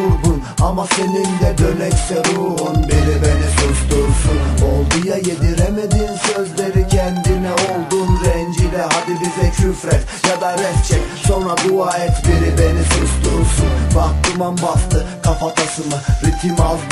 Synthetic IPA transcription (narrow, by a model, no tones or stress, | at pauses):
uɾɡ̪un | amase̞nind̪ɛb̪ølɛcsɛɾuɦunbiɾibenisust̪uɾsunolˠd̪ujajed̪iɾɛmed̪iːnsø̞zleɾicʰɛnd̪inɛolˠd̪unɾɛnd͡ʒilɛɦad̪ibizɛʃʰyfɾɛt̪ | jad̪aɾɛht͡ʃʰɛcso̞nɾad̪uaːɛt̪biɾibenisust̪uɾsunbak̚t̪umanbast̪ɯkʰafat̪ʰasɯmɯɾit̪ʲʰimaz